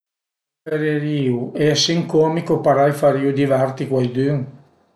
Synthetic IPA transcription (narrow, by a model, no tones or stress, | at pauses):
eɾeɾiːuʔeasiŋkomikopaɾajfaɾiud̪ivart̪ikwajd̪yŋ